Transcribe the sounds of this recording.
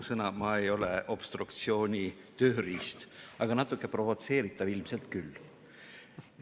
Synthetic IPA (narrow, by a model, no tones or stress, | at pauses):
sɤnɑmɑe̞jo̞leʔo̞b̥st̪rukt̪sio̞ːnʲi | t̪øːriːst̪ɑɡ̥ɑnɑt̪ːˑukˑːepro̞vo̞t̪se̞ːɾit̪ːˑɑvilmse̞lt̪kylː